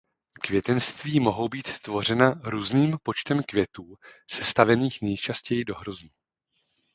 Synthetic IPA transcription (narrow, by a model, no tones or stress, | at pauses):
kvjɛt̪ɛnst̪viːmo̞ɦo̞wbiːt̪t̪vo̞r̝ɛnaɾuːzniːmpo̞t͡ʃt̪ɛmkvjɛt̪uːsɛ̥st̪avɛniːxnɛjt͡ʃascɛjɪdo̞ɦɾoznu